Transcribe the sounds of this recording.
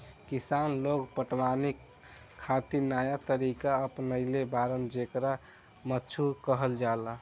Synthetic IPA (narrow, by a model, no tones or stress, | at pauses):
kisanloɡpəʈwanikʰː | at̪inajat̪əɾikaəpnəɪlebaɾənd͡ʒekɾa | mətːt͡ʃʰukəɦəld͡ʒala